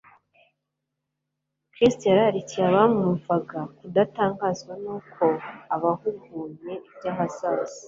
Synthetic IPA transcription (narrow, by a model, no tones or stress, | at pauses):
kɾisteɾaaɾiciaβamuɱvaɡakudataːŋɡaːzɡwanuːkʰo̞aβahuɡuːɲe̞ibɟaɦasaːzi̥